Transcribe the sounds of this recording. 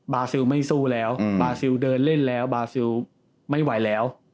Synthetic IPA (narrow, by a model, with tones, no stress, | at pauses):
baː˧si˧wma˥˩jsuː˥˩lɛː˦˥wbaː˧si˧wdɤː˧nle˥˩nlɛː˦˥wbaː˧si˧w | ma˥˩jwa˨˩˦jlɛː˦˥w